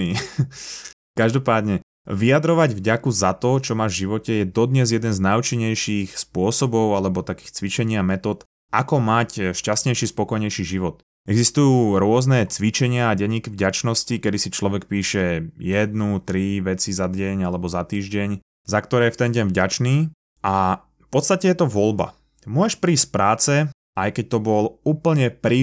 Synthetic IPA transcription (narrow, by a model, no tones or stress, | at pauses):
i | kaʒd̪ɔpaːd̪ɲɛ | ʋijad̪ɾɔʋaɟvɟakuzat̪ɔt͡ʃɔmaːʒvʒiʋɔcɛjɛd̪ɔd̪ɲɛzjɛd̪ɛnznajut͡ʃiɲːɛjʃiːxspʊɔsɔbɔʊalɛbɔt̪akiːxt͡sʋit͡ʃɛɲɪamɛt̪ɔːt̪ | ʔakɔmacʃcast̪ɲɛjʃispɔkɔjɲɛjʃiʒiʋɔt̪ | ɛɡzist̪ujuːɾʊɔznɛt͡sʋit͡ʃɛɲɪaːɟɛɲːiːkivɟat͡ʃnɔscikɛd̪isit͡ʃlɔʋɛkpiːʃɛjɛd̪nut̪ɾiʋɛt͡sizad̪ɟɛɲalɛbɔzat̪iːʒɟɛɲ | zakt̪ɔɾɛːɛft̪ɛnɟɛɲvɟat͡ʃniː | a | fpɔt̪st̪acɛjɛt̪ɔʋɔlba̰ | mʊɔɛʃpɾiːstpɾaːt͡sɛ | ʔajkɛc̚t̪ɔbɔluːpl̩ɲɛpɾi